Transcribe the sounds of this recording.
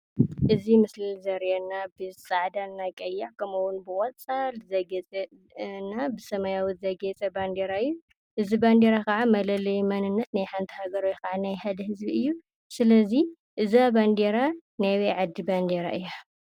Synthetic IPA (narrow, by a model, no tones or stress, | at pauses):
ʔɨzimɨslilzɐɾjɛnːabɨsʼaʕd̪anːajkʼɐjːaʕkʰɐmuwʊnbɨkʼɔt͡sʼalzɐɡt͡sʼ | nːabɨsɐmɐjawut̪zɐɡet͡sʼɐband̪eɾaɨjːu | ʔɨziband̪eɾakɐʕamɐlɐlɐjmɐnɨnːɐt̪najħant̪ʰi̥haɡɐɾojkaʕanajhad̪ɐhɨzbiɨjːu | sɨlɐzi | ʔɨzaband̪eɾanajwejʕad̪ːiband̪eɾa̰ʔɨjːa